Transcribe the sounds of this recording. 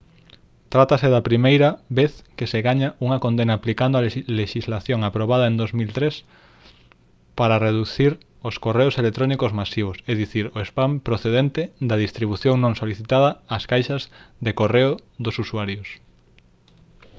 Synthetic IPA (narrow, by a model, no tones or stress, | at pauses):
t̪ɾat̪aseðɐpɾimejɾɐβeθkeseɣaɲaʔuŋɐkõnd̪enaːplikand̪oaleʃizlaθjoŋapɾoβaðɐend̪ozmilt̪ɾes | paɾɐreðuθiɾ | oskoreoselek̚t̪ɾonikozmasiβ̞oseðiθiɾoespampɾoθeðent̪ed̪ɐðist̪ɾiβuθjoŋnõŋsoliθit̪aðɐːskajʃɐzðekoreʊðosusuaɾjos